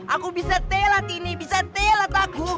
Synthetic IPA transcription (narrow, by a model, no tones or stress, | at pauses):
ʔakubisat̪elak̪inibisat̪elat̪aku